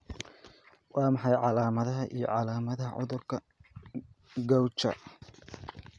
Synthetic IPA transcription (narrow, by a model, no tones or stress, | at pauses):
wɑːmɑħɑjʕɑlaːmɐðɐɦɐʔijɞ̰ʕɑlaːmɐðɐɦɐʕʊ̰ðʊrkʰɐ | ɡɐwt͡ʃɐ̰